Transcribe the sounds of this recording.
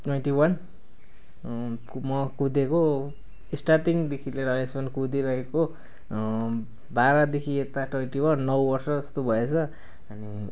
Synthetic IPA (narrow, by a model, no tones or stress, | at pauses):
ʈwʌjnʈiwʌn | mʌkud̪eko | isʈarʈiŋd̪ekʰileɾʌespʌnkud̪iɾʌkʰeko | baɾʌd̪ekʰiet̪aʈʌjnʈiwʌnːʌwbʌrsʌd͡zʌst̪obʱʌet͡sʰʌ | ʌni